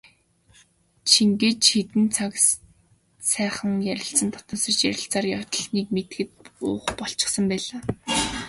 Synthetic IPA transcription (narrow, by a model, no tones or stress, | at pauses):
t͡ɕʰiŋɡĕt͡ɕxet̪ɘ̆nt͡sʰak | sæːχə̆ŋjæɾʲɪ̆ɬt͡sə̆nt̪ʰɔ̥t̪ɔ̆ːsə̆t͡ɕjæɾʲɪ̆ɬt͡saːrjɔ̥t̪ɞ̆ɮniːk̚met̪̆ɡɘ̆t̪̚ʊ̰ːχpɔɬt͡ɕɪ̆χsə̆mpæːɮaː